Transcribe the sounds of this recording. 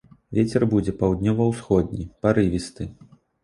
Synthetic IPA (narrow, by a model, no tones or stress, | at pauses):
vʲet͡sʲɛrbud͡zʲɛpawd̪nʲɔvɐwsxɔd̪̚ʲnʲipaɾɨvʲist̪ɨ